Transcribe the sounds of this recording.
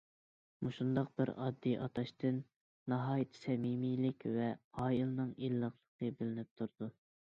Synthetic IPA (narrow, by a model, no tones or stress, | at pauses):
muʃund̪ɑq̚b̥ɪ̰ɾɑ̰d̪ːijʔɑt̪ʰɑʃt̪ʰɨnː | ɑɦɑːjit̪ʰɪ̥sɛmimijlɪkʲvɛɑːjilˠnɨŋilːəχlˠəqʰəbɪlɪnɪp̚t̪ʰuɾd̪̥u